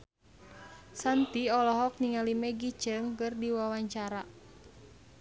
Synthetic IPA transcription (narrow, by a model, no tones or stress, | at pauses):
sant̪iɔlɔɦɔk̚niŋalimɛɡit͡ʃəŋkɨrdiwawaɲt͡ʃaɾa